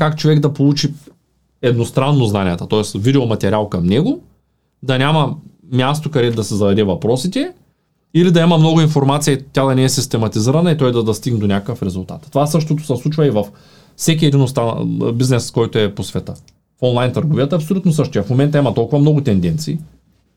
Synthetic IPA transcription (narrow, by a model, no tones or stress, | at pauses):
kakt͡ʃovɛɡd̪ɐpolˠut͡ʃi | ɛd̪nost̪ɾanːoznanʲijət̪ɐt̪ɔɛsvid̪ɛomɐt̪ɛɾʲalˠkɐmnɛɡʊ | d̪ɐnʲamɐ | mʲjas̬t̪okɐd̪ɛd̪ɐsɛzɐd̪ɐɾɛvɐpɾɔsit̪ɛ | ilid̪ɐɛmɐmnɔɡʊinfoɾmat̪sijəit̪ʲːad̪ɐnɛɛsist̪ɛmɐt̪iziɾɐnɐit̪ɔjd̪ɐd̪ɐst̪iɡnd̪onʲakəkəfɾɛzʊlˠt̪a̰t̪t̪ːovasɤʃt̪ot̪o̥sɛslˠut͡ʃvɐivɐf | sɛk̬iɛd̪inost̪abiznɛskɔjt̪oɛposvɛt̪ə | fɔnlˠajnt̪əɾɡovijət̪ɐpsolʲut̪nosɤʃt̪ojɛfmomɛnt̪ɐimɐt̪ɔlˠkʊvɐmnɔɡʊt̪ɛnd̪ɛnt̪siː